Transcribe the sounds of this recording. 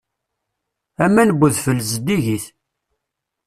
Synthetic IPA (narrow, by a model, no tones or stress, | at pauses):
æmːænəbːuðfəlːzəd̪iʝiθ